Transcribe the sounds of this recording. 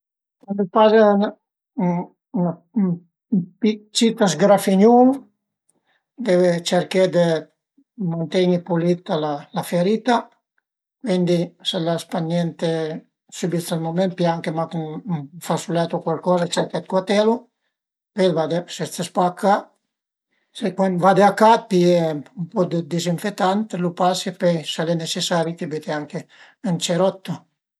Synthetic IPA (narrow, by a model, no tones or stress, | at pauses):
and̪ɛpazɛn | n | pit͡ʃit̪as̬ɡɾafiɲum | d̪ɛvɛt͡ʃɛɾkɛd̪ə | mant̪ɛɲipulit̪alalafɛɾit̪a | vɛnd̪isɛlaspanɛnt̪ɛ | subisalmomɛnt̪̚pjaŋkemakunfasulɛt̪ukwalkɔːzat͡ʃɛɾkat̪̚kwat̪ɛlu | pɛlvad̪eseespakʰːa | sekwanvad̪eakat̪iɛumpɔd̪əd̪iziɱfet̪ːant̪elupasipɛsalɛnesesaɾit̪ibit̪ɛaŋke | ənt͡ʃɛɾɔt̪ːu